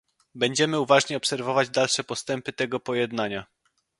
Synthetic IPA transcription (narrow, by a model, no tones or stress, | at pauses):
bɛɲd͡ʑɛmɘuvaʐɲɛɔpsɛɾvɔvad͡ʑd̪alʂɛpɔst̪ɛmpɘt̪ɛɡɔpɔjɛd̪naɲa